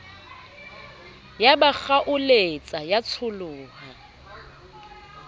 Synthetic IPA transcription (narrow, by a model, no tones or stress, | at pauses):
jabak͡xaʔʊlet͡sʼajat͡sʰʊlʊːha